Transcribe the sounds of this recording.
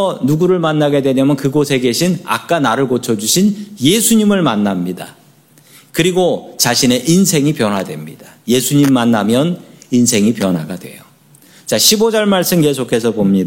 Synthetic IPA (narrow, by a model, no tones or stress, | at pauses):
ʌnuɡuɾɯɭmanːaɡe̞dwe̞ɲamjʌnkɯɡosʰe̞ɡe̞ɕʰina̰k̚k͈anaɾɯɭkot͡ɕʰʌd͡ʑuɕʰinje̞sʰuɲimɯɭmanːamɲida̰ | kɯɾiɡot͡ɕaɕʰine̞ʔinsʰe̞ŋipjʌnɦwadwe̞̰mɲidḁje̞sʰuɲimːanːamjʌnins̬ʰe̞ŋipjʌnwaɡadwe̞̰jo | t͡ɕaɕʰibod͡ʑʌɭmaɭs͈ɯmke̞s̬ʰokʰe̞sʰʌbomɲida